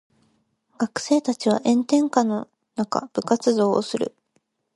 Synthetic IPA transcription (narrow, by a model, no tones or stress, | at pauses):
ɡ̥akɯ̟̥se̞ːt̪at͡ɕiβa̰ʔẽ̞nt̪ẽ̞ŋkano̞ | naka̰b̥ɯ̟kat͡sɨzo̞ːo̰sɨɾɯ̟̰